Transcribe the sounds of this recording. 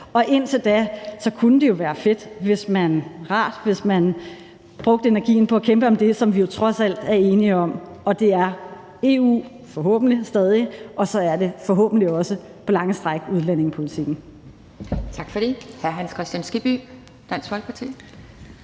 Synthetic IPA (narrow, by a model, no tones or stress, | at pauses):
ɒ̽ʔe̝n̰t͡sʰe̝ld̥æsɒ̽kʰunəd̥e̝jo̝ʋæːɐfe̝d̥ʋe̝smænʁɑ̰̈ːd̥ʋe̝smæn | b̥ʁɔ̽ɡ̥d̥əe̝nɐɡ̥ḭːn̩pʰɒ̽ækʰemb̥əɒ̽md̥e̝sɒ̽mʋijo̝t͡sʰʁɒ̽sæl̰d̥æɐe̝ːniəɒ̽mɒ̽d̥e̝æɐ | e̝ṵː | fɒ̽ɦɔ̰̽ːb̥n̩lisd̥ɛːð̞ˠiʔɒ̽sɒ̽æɐde̝fɒ̽ɦɔ̰ːb̥n̩liɒ̽səpʰɒ̽lɑ̈ŋəsd̥ʁaɡ̥uðˠlæne̝ŋpʰo̝lit͡sʰiɡ̥n̩ | t͡sʰɑ̈ɡ̥fɒɾ̥e̝hæɐɦænskʰʁɛsd̥jænsɡ̥ib̥y | d̥æn̰sfɒlɡ̥̚ʰpʰɑt͡sʰḭː